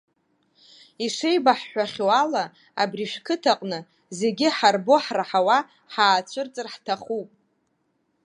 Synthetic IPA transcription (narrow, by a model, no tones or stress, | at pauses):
iʂejbaħːʷaχʲoala | a̰briʃᶣkʰɨtʰaqʼnɨ | ze̞ɡʲɪħarbo̞ħraħawa | ħaːt͡ɕʷʰɨrt͡sʼɨrħtʰaχupʼ